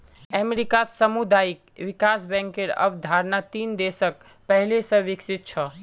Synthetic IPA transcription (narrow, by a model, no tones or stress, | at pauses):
ɛmeɾikat̪səmud̪aːikʋikasbɛ̃ŋkeɾə̰bd̪ʱaɾnat̪iːnd̪esək̚ | pəɦlesə̃ʋiksit̪̚t͡ʃʰə